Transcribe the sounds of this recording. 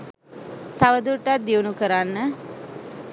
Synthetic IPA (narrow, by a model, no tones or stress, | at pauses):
t̪aʋəd̪uʈːat̪̚d̪iunukəɾanːə